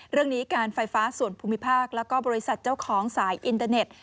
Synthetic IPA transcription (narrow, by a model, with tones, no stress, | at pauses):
ɾɯ˥˩əŋniː˦˥kaː˧nfa˧jfaː˦˥su˨˩ənpʰuː˧mːi˦˥pʰaː˥˩k̚lɛː˦˥wkɔː˥˩bɔː˧ɾi˦˥sa˨˩t̪̚t͡ɕaː˥˩wkʰɔː˩˦ŋsaː˩˦jʔi˧nt̪aː˧ne˨˩t̪̚